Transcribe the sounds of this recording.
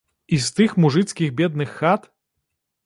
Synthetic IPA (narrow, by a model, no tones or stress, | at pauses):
ist̪ɨxmuʐɨt̪sʲkʲiɣbʲɛd̪nɨxːat̪